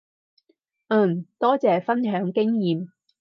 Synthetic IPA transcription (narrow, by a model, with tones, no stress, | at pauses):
ʔ̩˥˨˩mt̪ɔː˥t͡sɛː˨fɐ˥nɦœː˨˥ŋkɪ˥ŋjiː˨˩m